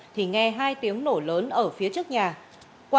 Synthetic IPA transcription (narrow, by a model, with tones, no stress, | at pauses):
t̪ʰi˨˩ŋɛ˧˩ɦaː˧jt̪i˨˦əŋno˧˩ləː˨˦nʔəː˧˩fi˨˦ət͡ɕɨ˦˥ək̚ɲaː˨˩ | kw